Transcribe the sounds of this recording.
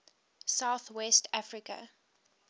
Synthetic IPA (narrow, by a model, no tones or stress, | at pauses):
saʊθwɛstʰafɹikə̰